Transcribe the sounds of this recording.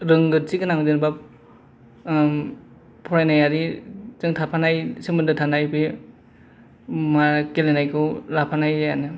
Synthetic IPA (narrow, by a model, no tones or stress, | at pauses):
ɾɯŋɡɯtsikɯnaŋdɯnbap̚ | pʰɔɾajnajaɾizɯŋtʰapʰanajsɯmɯndɯtʰanajbi | makelenajkʰɯwlapʰanajjanɯ